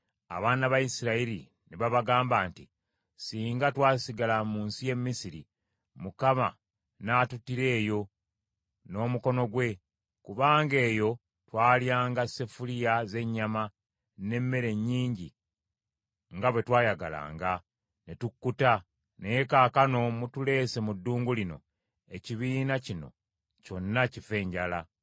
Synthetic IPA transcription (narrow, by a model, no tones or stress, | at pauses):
a̰βaːnaβajisiɾaiɾi | neβaβaɡaːmbaːnti | siːŋɡatwaːsiɡalamuːnsije̞mːisiɾḭ | mukama̰ | naːtutːiɾe̞ːjo̞ | no̞ːmuko̞no̞ɡwe̞ | kuβaːŋɡe̞ːjo̞ | twaːljaːŋɡase̞fulijaze̞ɲːama | ne̞mːe̞ɾe̞ɲːiːɲɟi | ŋɡaβwe̞twaːjaɡa̰la̰ːŋɡa | netukːuta | nejekaːkano̞mutule̞ːse̞mudːuːŋɡulino̰ | e̞ciβiːnacino̞̰ | co̞nːacife̞ːɲɟala